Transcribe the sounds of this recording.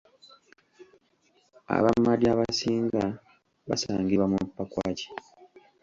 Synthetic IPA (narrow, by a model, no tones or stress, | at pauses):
a̰βamːadiaβasiːŋɡa | βasaːŋɡiβamupːakwa̰ːci̥